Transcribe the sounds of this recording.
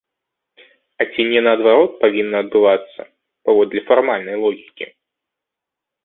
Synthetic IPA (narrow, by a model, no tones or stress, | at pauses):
ɐt͡sʲinʲɛnɐːd̪vaɾɔt̪̚pavʲinːɐːd̪̚bɨvat̪sːɐ̰ | pavɔd̪lʲɐfarmalʲnɐjlˠɔɣʲikʲḭ